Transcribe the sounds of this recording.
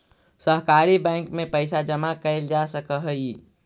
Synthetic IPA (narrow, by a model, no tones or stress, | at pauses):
səɦkaːɾibɛ̃ːŋkmẽpəɪsad͡ʒəmakəɪld͡ʒasəkəɦəi